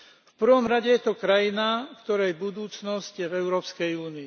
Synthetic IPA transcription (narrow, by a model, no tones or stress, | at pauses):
fpr̩ʋɔmɾaɟɛjɛt̪ɔkɾajinakt̪ɔɾajɛbud̪uːt͡snɔscvɛʊɾɔːpskɛjuːniː